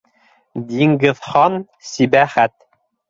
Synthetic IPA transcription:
d̪iŋɡɘ̆ðχɑn | sibæχæt̪

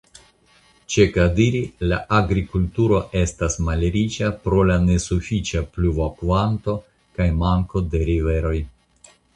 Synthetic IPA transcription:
t͡ʃe̞kadiɾilaʔaɡɾikultuɾo̞ʔe̞stasmaleɾit͡ʃapɾo̞lane̞sufit͡ʃapluvokvanto̞ | kajmaŋko̞de̞ɾive̞ɾo̞j

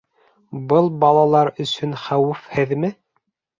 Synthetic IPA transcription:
bɤlˠbɑlˠɑlˠɑɾɵ̆sɵnχæwɘfhɘðmɘ

